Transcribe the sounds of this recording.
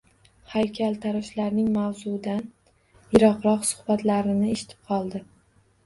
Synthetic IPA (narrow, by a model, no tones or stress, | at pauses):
hajkʲʰalt̪ʰaɾɒʃlaɾnɪŋmawzʊd̪an | jɪɾɒqɾɒqsʊ̥hbat̪laɾɪnɪeʃɪ̥t̪ʰɪ̥p̚qʰɒlˠd̪ɪ